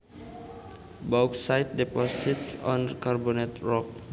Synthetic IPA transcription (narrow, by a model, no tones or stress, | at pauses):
bawksajt̪̚dɛpɔsitsɔ̃nkaɹbonɛt̪ɹɔk̚